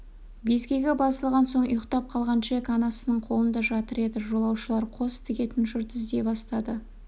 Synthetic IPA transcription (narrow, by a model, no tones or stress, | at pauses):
be̞zɡʲe̞ɡʲe̞bɑsəlˠʁɑnso̞ɴʊjəqt̪ɑp̚qʰɑlˠʁɑnʃekɑnɑsənəɴqʰo̞lˠənd̪ɑʒɑt̪əɾe̞d̪ɪʒo̞lˠɑwʃəlˠɑɾqʰo̞st̪ʰɪɡʲe̞t̪ɪnʒʏɾd̪ɪzd̪e̞bɑst̪ɑd̪ə